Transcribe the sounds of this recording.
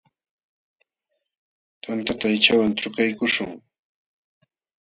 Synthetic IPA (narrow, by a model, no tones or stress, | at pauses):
t̪ant̪at̪aajt͡ʃawant͡ʃʊkajkʊʃʊŋ